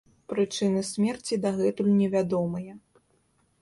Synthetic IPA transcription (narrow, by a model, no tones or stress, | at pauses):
pɾɨt͡ʂɨnɨsʲmʲɛrt͡sʲid̪aɣɛt̪ulʲnʲɛvʲad̪ɔmɨjɐ